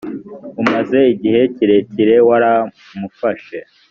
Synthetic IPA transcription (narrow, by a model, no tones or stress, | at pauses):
umaze̞iɟihe̞ciɾe̞ciɾe̞waɾa | mufaʃe